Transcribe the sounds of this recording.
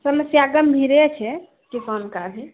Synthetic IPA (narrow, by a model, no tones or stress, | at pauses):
səməsjaɡəmbʱiɾet͡ʃʰɛ | kisənkabʱi